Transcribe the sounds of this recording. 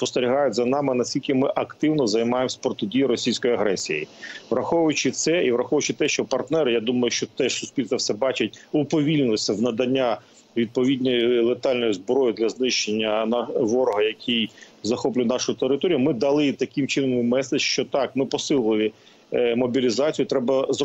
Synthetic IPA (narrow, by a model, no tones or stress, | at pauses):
spɔst̪eɾʲiɦɑjʊtʲzɐnɑmɪnɐsʲtʲilʲkɪmɪʔɐkt̪ɪwnɔzɐjmɑjemsʲɐpɾɔt̪ʊdʲijɪɾɔsʲijsʲkɔjiɐɦɾɛsʲijḭʋɾɐxɔʋjʊt͡ʃɪt̪sɛiʋɾɐxɔʋjʊt͡ʃɪt̪ɛʃt͡ʃɔpɐrt̪nɛɾɪjad̪umɐjʊʃt͡ʃɔt̪ɛʂsʊsʲpʲilʲsɐfsɛbɑt͡ʃɐtʲʊpɔʋʲilʲnɪlˠɪsʲɐwnɐd̪ɐnʲːa | ʋʲid̪̚pɔʋʲid̪ʲnʲɔjilˠet̪ɑlʲnɔjʊzbɾɔjɪd̪lʲɐznɪʃt͡ʃenʲːɐnɑʋɔɾɔɦɐjɐkʲʰij | zɐxɔplʲʊjnɑʃʊʊt̪eɾɪt̪ɔɾʲijʊmɪd̪ɐlˠɪt̪ɐkɪmt͡ʃɪnɔmmɛsɐt͡ʃʃt͡ʃɔt̪ɑkmɪpɔsɪlˠɪʋʲɪ | mɔbʲilʲizɑt͡sʲijʊt̪ɾɛbɐz